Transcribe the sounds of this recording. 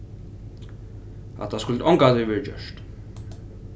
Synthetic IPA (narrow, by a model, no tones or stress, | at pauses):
a̰t̪ʰːaskʊlt̪ɔŋkat̪ɪʋɛːɾəd͡ʒœ̰ʂt̪